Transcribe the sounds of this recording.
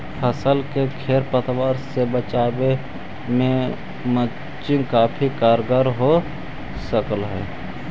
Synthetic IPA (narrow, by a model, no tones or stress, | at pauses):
pʰəsəlkekʰeːɾpət̪waːɾsebət͡ʃaːbe | mẽ | mə | t͡ʃɪ̃nkaːpʰikaːɾɡaɾɦo | səkəlɦɛ̰ː